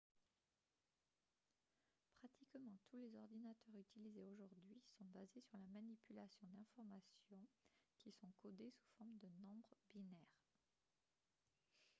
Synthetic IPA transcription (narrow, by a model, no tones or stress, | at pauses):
pχat̪ʰikmɑ̃t̪ʰulezɔʁd̪inat̪œʁyt̪ilizeoʒuʁd̪ɥisɔ̃bazesyʁlamanipylasjɔ̃d̪ɛ̃fɔʁmasjɔ̃kʲisɔ̃kʰɔd̪esu̥fɔʁmd̪ənɔ̃bʁəbinɛʁ